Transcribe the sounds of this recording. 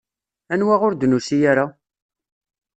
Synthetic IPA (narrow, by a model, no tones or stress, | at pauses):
ænwaʁʊɾd̪nusijaɾa